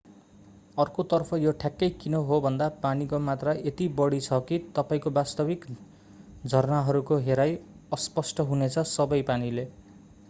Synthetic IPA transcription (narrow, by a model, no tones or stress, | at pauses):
ʌrkot̪ʌrpʰʌjoʈʰjakːʌjkinʌɦobʱʌnd̪apanikomat̪rʌet̪ibʌɽit͡sʰʌkit̪ʌpaĩkobast̪ʌbik | d͡zʱʌrnaɦʌɾukoɦeɾaj | ʌspʌsʈʌɦunet͡sʰʌsʌbʌjpanile